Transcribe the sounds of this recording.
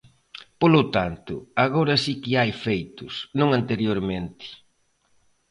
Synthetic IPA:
polʊt̪ant̪ʊ̰aɣoɾɐsikɪajfejt̪ʊsnõŋant̪eɾjoɾmẽnt̪ɪ̥

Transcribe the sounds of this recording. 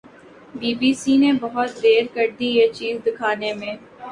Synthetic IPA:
biːbiːsinebɐɦʊt̪d̪eːɾkɐɾd̪ijet͡ʃiːzd̪ɪkʰaːnemẽː

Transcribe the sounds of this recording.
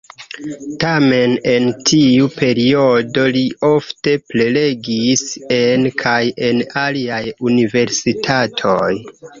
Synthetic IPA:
tame̞ne̞ntʰiupe̞ɾio̞do̞liʔo̞fte̞ple̞leɡise̞nkʰaje̞naliajunive̞ɾsitʰatʰo̞j

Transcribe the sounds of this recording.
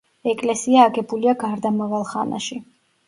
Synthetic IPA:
ɛkʼlɛsiaːɡɛbuliaɡaɾd̪amavalˠχana̰ʃi

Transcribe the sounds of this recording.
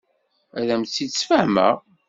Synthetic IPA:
æðæmt͡sːisfəʕmə̰ʁ

